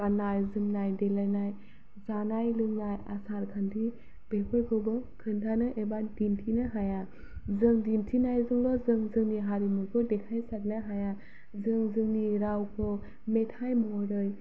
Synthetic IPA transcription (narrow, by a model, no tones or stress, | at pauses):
banajzɯmnajdelajnaj | zanajlɯŋnajasaɾkʰandi | b̥ekʰɔjɡɯwbɯkʰɯndʰanɯʔebadintʰinɯɦaja | zɯŋdintʰinajzɯŋlɔzɯŋzɯŋniɦaɾimɯkʰɯdekʰajsat̚nɯɦaja | zɯŋzɯŋniɾawkʰɔ | metʰajmɔjɾɯj